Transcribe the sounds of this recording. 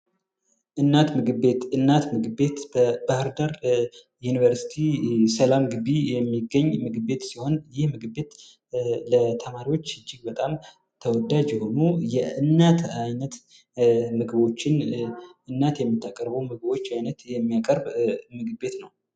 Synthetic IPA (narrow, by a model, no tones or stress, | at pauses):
ʔɨnːat̪mɨɡɨbe̞t̪ʔɨnːat̪mɨɡɨbe̞t̪b̥əbahɨɾd̪aɾ | junivəɾsi̥t̪ʰisəlamɡɨbijɛmːiɡːəɲːmɨɡɨbe̞t̪siho̞njɪhmɨɡɨbe̞t̪ | lət̪ʰəmaɾiwo̞t͡ʃːɨd͡ʒːɪɡ̚bət̪ʼam | t̪ʰəwɔd̪ad͡ʒjɛho̞nujɛʔɨnːat̪ʰajnət̪ | mɨɡɨbo̞t͡ʃːɪnʔɨnːat̪jɛmːɨt̪ːakʼəɾbəwmɨɡɨbo̞t͡ʃːajnət̪jɛmːijakʼəɾbmɨɡɨbe̞t̪nəw